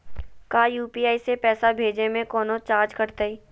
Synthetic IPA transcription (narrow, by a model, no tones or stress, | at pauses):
kaːjuːpiːaːisepɛːsabʱeːd͡ʒemẽkɔːnot͡ʃaːɾd͡ʒkɐɾt̪aiː